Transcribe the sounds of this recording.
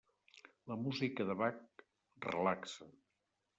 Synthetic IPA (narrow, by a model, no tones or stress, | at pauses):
ləmuzikəðəβak̚ | rə̰laksə